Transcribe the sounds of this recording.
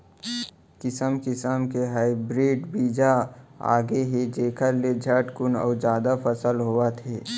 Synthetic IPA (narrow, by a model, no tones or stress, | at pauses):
kɪsəmkɪsəmkeɦaːibɾiːɖbiːd͡ʒaa̰ːɡeɦed͡ʒeːkʰəɾled͡ʒʱəʈkʊnɔ̰ːd͡ʒjaːd̪afəsəlɦoːat̪ʰeː